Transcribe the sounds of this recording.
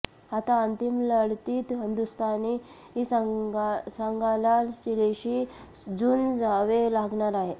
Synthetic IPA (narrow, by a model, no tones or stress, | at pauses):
ɦat̪aənt̪imləɽt̪iːt̪ɦind̪ust̪ʰani | ɦis | səŋɡalalsileɕi | d͡zuːnd͡zaʋelaɡɳaɾaɦe